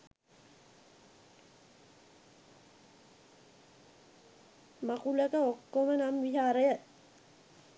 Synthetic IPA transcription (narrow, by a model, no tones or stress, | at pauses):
makuləkəokːomənamʋiɦaːɾəjə